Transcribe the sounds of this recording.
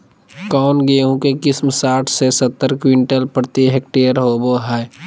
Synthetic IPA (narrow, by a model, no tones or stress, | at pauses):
kɔːnɡeːɦũkekɪsmsaːʈʰsesət̪ːəɾkwɪɳʈəlpɾət̪iɦek̚ʈeːəɾɦoboɦɛ